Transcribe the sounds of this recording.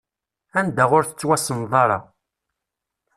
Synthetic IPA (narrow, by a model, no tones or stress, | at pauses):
ænd̪æʁʊɾθə̥t͡sːwæsənðˤɑɾˤɑ̰